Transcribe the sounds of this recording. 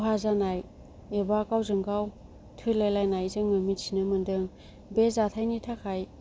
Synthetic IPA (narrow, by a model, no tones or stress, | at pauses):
ɦazanaj | ebakawzɯŋɡaw | tʰɯjlajlajnajzɯŋmɯmitsinɯmɯndɯŋ | bezatʰajnitʰakʰaj